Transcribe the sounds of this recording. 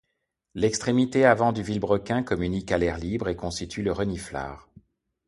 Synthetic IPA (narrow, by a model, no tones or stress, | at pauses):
lɛkst̪χemit̪eavɑ̃d̪yvilbʁəkʲɛ̃kɔmynikalɛʁlibʁekɔ̃st̪it̪ʰyləʁənifla̰ːʁ